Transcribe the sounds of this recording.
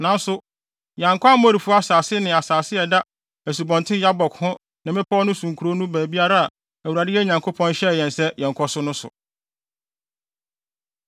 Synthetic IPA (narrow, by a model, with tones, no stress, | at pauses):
nã˨n˦sʊ˦ | jã˨ŋ˨kʰɔ˦a˦mɔ̃˦ɾi˨fu˦a˦saː˨sɪ˦nɪ̃˨a˨saː˨sɪ˦ɛ˨da˦ | æ˨s̬u˨bɔ̃˨ntʰɪ̃˦ja˦bɔ˨khʊ̃˦ | nã˨mɪ̃˦pʰɔ˦nʊ̃˦sũ˨ŋkʰu˨ɾo˦nũ˦bæː˨bi˦a˦ɾa˦a˨ | æ˨wu˨ɾa˨dɪ˦jɛ˦ɲã˨ŋkʰo˦pʰɔ̃˦n˦ɕɛ˦˨jɛ̃˨nsɛ˦jɛ̃˨ŋ˨kʰɔ˦sʊ˦nʊ̃˦sʊ̰˨